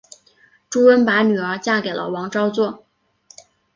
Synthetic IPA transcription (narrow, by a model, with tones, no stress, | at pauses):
ʈ͡ʂu˥wə˥npa˧˥ny˨˩ə˞˧˥t͡ɕja˥˩ke˨˩ɪlə̰˦wɑ˧˥ŋʈ͡ʂɑ˥ʊt͡swɔ˥˩